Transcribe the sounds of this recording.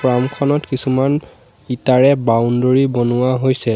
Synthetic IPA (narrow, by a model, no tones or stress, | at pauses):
ɹamkʰɔnɔtkisuman | itaɹɛbawndoɹibonʊwaɦojsɛ